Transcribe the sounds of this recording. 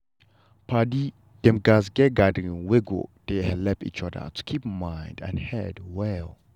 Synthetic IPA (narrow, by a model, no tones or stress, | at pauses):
pʰadi | d̥ɛ̃mɡazɡɛɡadə̃ŋweɡo̰d̥ehɛlɛpḭt͡ʃɔdə̰tʰu̥kʰip̚mãjndɛ̰̃nhɛdwɛl